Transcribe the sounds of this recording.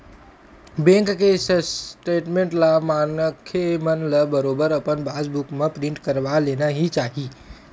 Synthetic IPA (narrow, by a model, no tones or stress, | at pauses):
bẽːŋkːessʈeːʈmẽːɳʈlamaːnkʰemɐnlɐbəɾoːbəɾɐpənbaːd͡ʒbʊkmẽpɾɪ̃ɳʈkəɾʋaleːnaɦit͡ʃaːɦiː